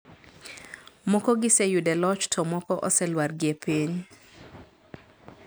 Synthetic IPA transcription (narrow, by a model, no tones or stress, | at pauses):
mɔkɔɡɪsɛjudɛlɔt͡ʃtʰɔmɔkɔʔɔsɛlwaɾɡɪepiɲ